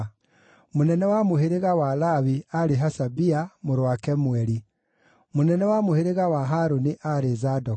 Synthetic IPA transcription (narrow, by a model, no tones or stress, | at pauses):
monɛnɛwamoheɾeɣawalaβiaɾeɦasabiamoɾwakɛmuɛɾi | monɛnɛwamoheɾeɣawaɦaɾoniʔaɾezadɔ